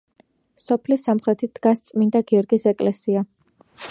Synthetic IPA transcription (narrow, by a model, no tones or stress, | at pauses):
sɔpʰlisːamχɾɛt̪ʰid̪̥ɡast̪sʼmind̪aɡiɔɾɡisɛkʼlɛsia